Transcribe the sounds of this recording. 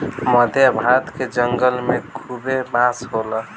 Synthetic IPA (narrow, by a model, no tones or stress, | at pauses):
məd̪ʱjəbʱat̪ked͡ʒəŋɡəlmekʰubebãsɦolə